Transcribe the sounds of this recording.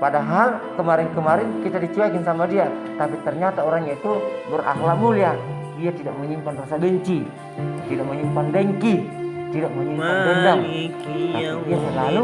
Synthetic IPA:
padaɦalkəmaɾɪnkəmaɾɪnkit̪adit͡ʃuakɪnsamadiat̪apit̪ərɲat̪aoɾaŋɲait̪ubərʔa̰hlakmulia | diat̪idak̚məɲimpanrasabəɲt͡ʃi | t̪idak̚məɲimpandɛŋkit̪idak̚məɲimpanbɛdaŋ | adiasəlalu

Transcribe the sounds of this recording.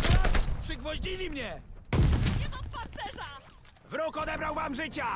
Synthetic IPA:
apʂɘɡvɔʑd͡ʑilʲimɲɛ | ɲɛmampant̪sɛʐa | vɾɔkɔd̪ɛbɾawvamʐɘt͡ɕa

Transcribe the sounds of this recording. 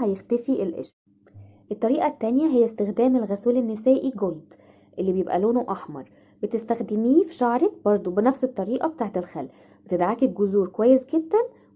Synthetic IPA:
hæjext̪æfiʔelʔḛʃ | ʔet̪ˤːɑɾiːʔɑt̪ːænjæɦejːæst̪exd̪æːmelɣæsuːlenːesæːʔiɡold̪ | ʔelːibejebʔæ̰loːnoʔɑħmɑɾˤ | bet̪est̪æxd̪emiːfi̥ʃɑʕɾˤɑk̚bɑɾˤd̪ˤobenæfset̪ˤːɑɾiːʔɑbet̪aːʕt̪elxælː | bet̪ed̪ʕakeɡozuːɾkowæːjːesɡed̪ːæn

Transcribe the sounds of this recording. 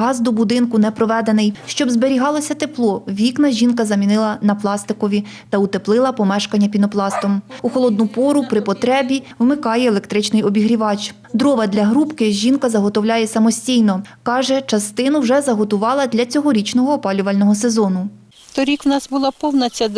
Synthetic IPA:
ɦɑzd̪ɔbʊd̪ɪnkʊnɛpɾɔʋɛd̪enɪjʃt͡ʃɔbzbeɾʲiɦɑlˠɔsʲɐt̪eplˠɔʋʲiknɐʒʲinkɐzɐmʲinɪlˠɐnɐplˠɑst̪ɪkɔʋʲi | t̪ɐut̪eplˠɪlˠɐpɔmɛʃkɐnʲːɐpʲinɔplˠɑst̪ɔmuxɔlˠɔd̪nʊpɔɾʊpɾɪpɔt̪ɾɛbʲiwmɪkɑjɛːlˠekt̪ɾɪt͡ʃnɪjɔbʲiɦɾʲiʋɑt͡ʃ | d̪ɾɔʋɐd̪lʲɐɦɾupkɪʒʲinkɐzɐɦɔt̪ɔwlʲajɛsɐmɔsʲtʲijnɔkɑʒɛt͡ʃɐst̪ɪnʊwʒɛzɐɦɔt̪ʊʋɑlˠɐd̪lʲɐt͡sʲɔɦɔɾʲit͡ʃnɔɦɔːpɑlʲʊʋɐlʲnɔɦɔsezɔnʊ | t̪ɔɾʲikwnɑsbʊlˠɑpɔwnɐt͡sʲɐ

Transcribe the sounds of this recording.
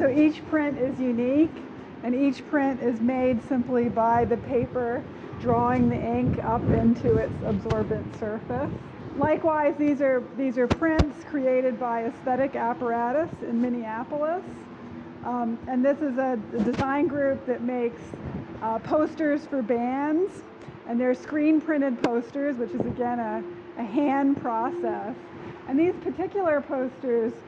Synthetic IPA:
soʊit͡ʃpʰɹ̥ɪ̃ntɪzjʉnik | ɨ̃nit͡ʃpʰɹ̥ɪ̃ntɪzmeɪdsɪ̃mplibaɪðɨpʰeɪpə˞ | dɹɔɪ̃ŋðiʔɪ̃ŋkʌpɪ̃ntʰʉɪtsəbzɔɹbɨ̃ntsɜ˞fɨs | laɪkwaɪzðizə˞ðizə˞pʰɹ̥ɪ̃ntskʰɹ̥ieɪɾɨd̚baɪɨsθɛɾɨkæpə˞æɾɨsɨ̃nmɪñiæpl̩ˠəs | ɨ̃nðɪsɨzɨɨdɨzãɪ̃nɡɹʉp̚ðɨt̚meɪks | pʰoʊstə˞z̥fə˞bæ̃ndz̥ | ʔɨ̃nðə˞skɹĩnpʰɹ̥ɪ̃ɾ̃ɨd̚pʰoʊstə˞zwət͡ʃɨzɨɡɛ̃nɨ | ʔɨɦæ̃npʰɹ̥ɑsɛs | ɨ̃nðiz̥pʰə˞tʰɪkjl̩ˠə˞pʰoʊstə˞z̥

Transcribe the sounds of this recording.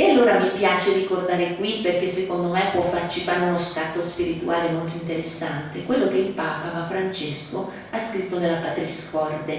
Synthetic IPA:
ealːoːɾamipjaːt͡ʃerikord̪aːɾekwipːerkesːekond̪omepːwɔfːart͡ʃifanunoskat̪ːospiɾit̪uaːlemolt̪oint̪eɾesːant̪ekwelːok̟eilpaːpavafɾant͡ʃesko | askɾit̪ːonelːapat̪ɾiskɔrd̪e

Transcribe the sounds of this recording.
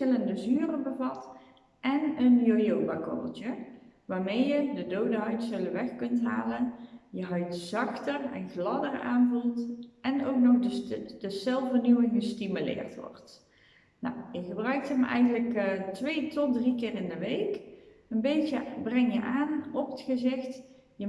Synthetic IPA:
ɪləndəzyːrəbəvɑt | ʔɛnənjojowbakɔ̰əlˠtəʋaːɹmejjədədowdəɦœɥtsələʋɛxkɵntɦaːlənjəɦœɥtzɑxtərɛ̰nɣlɑdəra̰ːnvulˠtɛnowk̚nɔxdədəsɛlˠfənywəŋɣəstimylɪ̰ːrtʋɔ̰rt | nɔ̰wjəχəbrœɥk̚tɦəmɛ̰jɣənləktʋeːtɔt̚drikɪːrɪndəʋejkənbejtəbrɛŋjə̰ʔaːnɔpətxəzɪxt | jə

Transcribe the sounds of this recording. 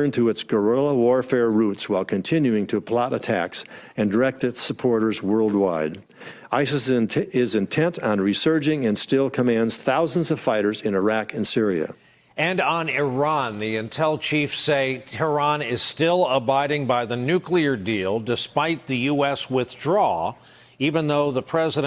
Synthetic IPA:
ə̃˞ntʰɨɨtsɡ̥ə˞ɪlˠəwɔɹfɛɹɹutswaɪlˠkʰɨ̃ntʰɪ̃njʉɪ̃ŋtʰɨpʰl̥ɑɾɨtʰæ̰ks | ɨ̃ndə˞ɛk̚tɨtsəpʰɔɹɾə˞zwɜ˞lˠd̚waɪd | aɪsɨsɪzɨ̃ntʰɛ̃ntn̩ɹisɜ˞d͡ʒɪ̃ŋɨ̃nstɪlˠkʰəmæ̃ndz̥θaʊznzʌv̥faɪɾə˞zɨ̃nə˞ækɨ̃nsɪɹiɨ̰ | ɨ̃nn̩ɪɹɑ̃nðiɨ̃ntʰɛlˠt͡ʃʰifseɪtʰɛ˞ɑ̃nɪz̥stɪlˠəbaɪɾɪ̃ŋbaɪðɨnʉkliə˞dilˠdɨspaɪt̪̚ðɨjuɛswɪθdɹɔ | ivə̃nðoʊðəpʰɹ̥ɛzɨɾ

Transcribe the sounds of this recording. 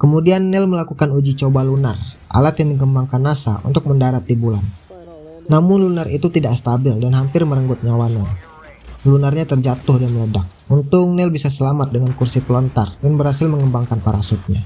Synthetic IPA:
kəmudianːɛlməlakukanud͡ʒit͡ʃobalunarʔa̰lat̪jaŋdiɡəmbaŋkanːasa̰ʔṵnt̪ʊk̚məndaɾat̪ːibulanː | amʊnlunarit̪ut̪idakst̪abɪldanɦampɪrməɾəŋɡʊt̪̚ɲawanan | lunarɲat̪ərd͡ʒat̪ʊhdanmələdak̚unt̪ʊk̚nɛlbisasəlamat̪̚dəŋankursipəlɔnt̪ardanbəɾhasɪlməŋəmbaŋkanpaɾasut̪̚ɲa̰

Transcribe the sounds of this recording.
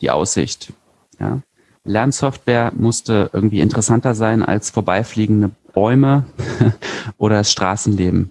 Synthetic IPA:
d̥ḭːʔa̰ʊsz̥ɪ̰çt | ja̰ː | lɛɐnsɔftv̥eːɐmʊstəʔɪ̰ɐɡŋ̩tv̥iːɪntəʁɛsantɐzaɪnʔa̰lsfoːɐbaɪfliːɡŋ̩dəb̥ɔʏmə | ʔoːɾɐdasʃtʁ̥aːsn̩leːbm̩

